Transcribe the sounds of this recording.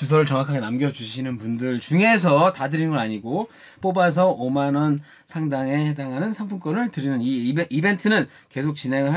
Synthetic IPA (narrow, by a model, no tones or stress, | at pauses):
t͡ɕus̬ʰʌɾɯɭt͡ɕʌŋwakʰaɡe̞namɡjʌd͡ʑuɕʰinɯnpundɯɭt͡ɕuŋe̞s̬ʰʌtadɯɾinɡʌɾaɲiɡo | p͈obas̬ʰʌomanʌn | sʰaŋdaŋe̞hedaŋɦanɯnsʰaŋpʰuk͈ʌnɯɭtɯɾinɯniibe̞ntʰɯnɯn | ke̞sʰok̚t͡ɕ͈inɦe̞ŋɯɭɦa